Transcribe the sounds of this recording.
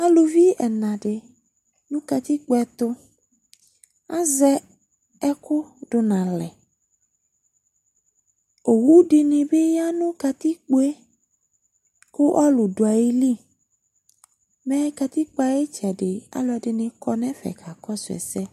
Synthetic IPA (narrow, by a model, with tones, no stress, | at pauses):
a˦lʊ˨vi˦ɛ˨nã˨ɖɪ˨ | nũ˦ka˨t̪i˦k͡po˨˦ɛ˨t̪ʊ˦ | a˦zɛ˦ | ɛ˦kʊ˦ɖʊ˨nã˨lɛ˨ | o˨wu˦ɖɪ˨nɪ̃˨be˦ja˦nũ˦ka˨t̪i˦k͡po˦e˦ | kʊ˦ʔa˦lʊ˨dʊ˨a˨ji˦li˦ | mɛ̃˦ka˨t̪i˦k͡pa˦je˦t͡ʃɛ˨dɪ˨a̰˦lʊ˨˦ɛ˨dɪ˨nɪ̃˨kɔ˦nɛ̃˦fɛ̰˨kʰa˨kɔ˦sʊ˨ɛ̰˨sɛ˦